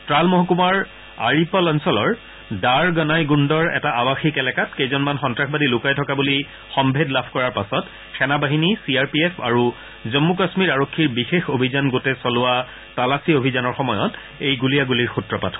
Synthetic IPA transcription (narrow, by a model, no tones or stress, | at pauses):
tɹalmɔɦɔkumaɹ | a̰ɹipɔlɔnsɔlɔɹ | daɹɡɔnajɡundɔɹɛ̰taʔabaxikɛlɛkatkejzɔnmanxɔntɹaxbadilʊkajtʰɔkabuli | xɔmbʱedlabʰʱkɔɹaɹpasɔt | xɛnabaɦinisiaɹpiepʰa̰ɹu | zɔmːukasmiɹaɹokʰːiɹbixexobʱizanɡotɛsɔlʊwa | talasiobʱizanɔɹxɔmɔjɔ̰t | ejɡulijaɡuliɹxutɹɔpatʰɔ